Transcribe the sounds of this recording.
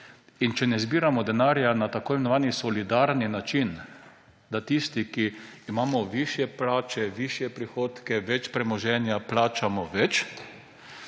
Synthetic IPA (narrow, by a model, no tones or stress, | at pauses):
int͡ʃɛnɛzbiːɾamɔd̪ɛnaːɾjanat̪akoːjimenɔʋaːnisɔlid̪aɾninat͡ʃin | d̪at̪ist̪ikiːmaːmɔʋiːʃjɛplaːt͡ʃɛʋiːʃjɛpɾixoːt̪kɛʋɛt͡ʃpɾɛmɔʒɛːnjaplaːt͡ʃamɔʋɛt͡ʃ